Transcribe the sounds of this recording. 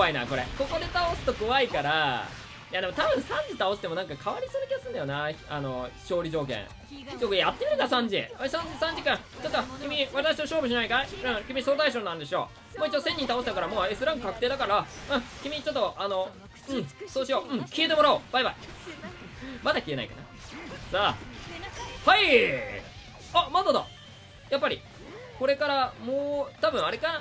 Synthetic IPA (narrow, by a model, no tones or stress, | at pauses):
aina̰ko̞ɾḛko̞ko̞d̪e̞t̪ao̞sɨ̥t̪o̞ko̞βaikaɾa | jad̪e̞mot̪abɯ̟̃ɰ̃sãɲ̟d͡ʑit̪aosɨ̥t̪e̞mo̞nãŋkakʰaβaɾʲisonɯkʲiasɨ̃nd̪ajonaano̞ɕo̞ːɾʲid͡ʑo̞ːk̬ḛ̃ɰ̃ | t͡ɕokjat̪ːe̞mʲiɾɯkaɾasãɲd͡ʑḭasãɲd͡ʑisãɲ̟d͡ʑikã | t͡ɕot̪ːokʲimʲiβat̪akɕi̥oɕo̞ːbɯ̟ɕ̬inaikaeɯ̃ɴkʲimʲiso̞ːt̪aiɕoːnãnd̪e̞ɕio̞̰ | moːit͡ɕːosẽ̞ɲ̟ːĩt̪aoset̪akaɾamoːesɨɾãŋɡɯ̟kakɯ̟t̪eːd̪akaɾaɯ̃kʲimʲit͡ɕo̞t̪ːoʔano̞ | ɯ̟̃soːɕio̞ːɯ̟̃ɴkʲiet̪e̞mo̞ɾaob̥aiba̰i | mad̪akʲie̞na̰ikana̰ | sa | hai | amad̪ad̪a̰ | japːaɾʲḭ | ko̞ɾe̞kaɾamoːt̪abɯ̟̃ɰ̃aɾe̞kana